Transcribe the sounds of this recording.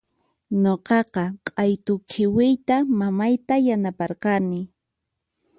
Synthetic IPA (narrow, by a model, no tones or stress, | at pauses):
ɲoqɑqɑqʼɑjt̪ʊkʰɪwɪjt̪amamajt̪ajanapɑɾqɑnɪ